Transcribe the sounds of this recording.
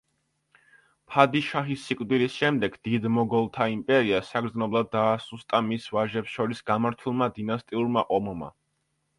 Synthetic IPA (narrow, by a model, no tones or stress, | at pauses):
pʰad̪iʃaχisːikʼd̪ilisʃɛmd̪ɛɡd̪̥id̪mɔɡɔlˠt̪ʰaimpʼɛɾiasaɡɾd̪znɔblˠad̪ːaːsust̪ʼamisvaʒɛpsʃɔɾisɡamaɾt̪ʰulˠmad̪inast̪ʼiuɾmaʔʼɔmɔma̰